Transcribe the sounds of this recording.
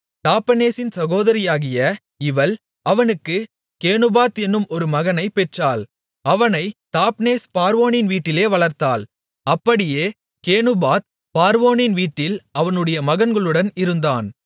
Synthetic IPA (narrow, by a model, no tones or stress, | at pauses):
t̪aːpːɐneːsɪnsɐɣoːðɐɾɪjaːɣɪjɐ | ɪʋɐl | ʔɐʋɐnɯkːɯ | keːnɯbaːt̪ɛnːɯmɔɾɯmɐɣɐnɐɪpɛʈraːl | ɐʋɐnɐɪt̪aːpneːspaːɾʋoːnɪnʋiːʈːɪleːʋɐɭɐɾt̪aːl | ɐpːɐɽɪjeː | keːnɯbaːt̪̚ | paːɾʋoːnɪnʋiːʈːɪlɐʋɐnɯɽɐjɐmɐɣɐnɡɐɭɯɽɐnɪɾɯnd̪aːn